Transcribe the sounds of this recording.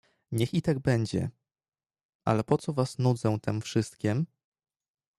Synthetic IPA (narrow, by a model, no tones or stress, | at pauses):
ɲɛxit̪aɡ̚bɛɲd͡ʑɛ̰ | ʔa̰lɛpɔt̪sɔvasnud̪zɛw̃t̪ɛmfʂɘst̪kʲɛm